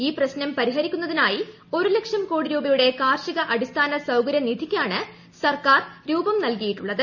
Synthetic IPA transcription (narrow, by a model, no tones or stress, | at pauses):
iːprɐɕnɐmpɐɾiɦɐɾikʲːun̪ːɐðinaːji | o̞ɾule̞kʂɐmko̞ːɽiɾuːbɐjuɽe̞kaːrʂiɣɐʔɐɽʱist̪ʰaːnɐsɐwkɐɾjɐnid̪ʱikʲːaːɳɨ | sɐrkaːrɾuːbɐmnɐlkɐjiʈːuɭːɐðɨ